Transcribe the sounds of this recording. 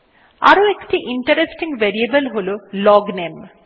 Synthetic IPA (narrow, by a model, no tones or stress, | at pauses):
a̰ɾuekʈiʔiɳʈɐɾesʈiŋɡʋeɾiɐbɐlɦululɔːɡneːm